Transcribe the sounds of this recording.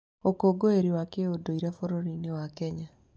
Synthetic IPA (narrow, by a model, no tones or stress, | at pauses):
okoɡoeɾiwakeodoiɾafoɾoɾinewakɛɲa